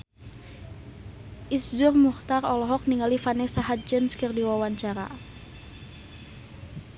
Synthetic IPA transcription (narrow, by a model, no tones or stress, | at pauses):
ʔisd͡ʒʊrmuht̪arɔlɔɦɔk̚niŋalifanɛsaɦat̪̚d͡ʒənskərdiwawaɲt͡ʃaɾa̰